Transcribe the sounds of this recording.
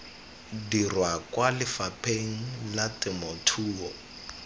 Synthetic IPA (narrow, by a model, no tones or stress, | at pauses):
dirwakwalɪfapʰʼeŋ̩latʼɪmotʰuːɔ